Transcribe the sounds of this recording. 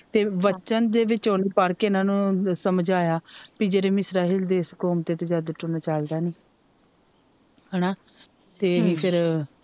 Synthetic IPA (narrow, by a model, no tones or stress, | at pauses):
t̪eːʋət͡ʃənd̪eːʋɪt͡ʃoːnepəɾkɪnãːnũːsəməd͡ʒaːjaːpid͡ʒeɾeːmɪsɾaːiːld̪eːskoːmt̪eːt̪eːd͡ʒaːd̪əʈʊnaːt͡ʃald̪aːniː | ɦɛːnaː | t̪eːɦĩːpʰɪɾ